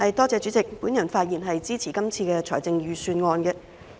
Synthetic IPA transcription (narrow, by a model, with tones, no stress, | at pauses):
hɐ˨jt̪ɔː˥t͡sɛː˨˧t͡ʃyː˨˥t͡sɪ˨k̚puː˨˥njɐ˨˩nfaː˧t̚jiː˨˩nɦɐ˨jt͡siː˥t͡sʰiː˨˩kɐ˥mt͡sʰiː˧kɛː˧t͡ʃʰɔː˨˩jt͡sɪ˧ŋjyː˨˧syː˧nŋɔː˧nɡɛ˧